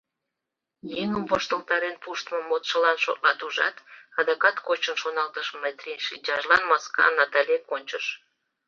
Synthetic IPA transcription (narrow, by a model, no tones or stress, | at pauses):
jeŋəmpoʃt̪əlt̪ɑɾenpuʃt̪mə̆mot̪ʃə̆lɑnʃo̰t̪lɑt̪uʒɑ̰t̪ɑd̪ɑkɑt̪kot͡ɕənʃonɑlt̪əʃmət̪rʲenʃid͡ʑɑʒlɑnmɑskɑ̰nɑt̪ɑlʲekonʲt͡ɕəʃ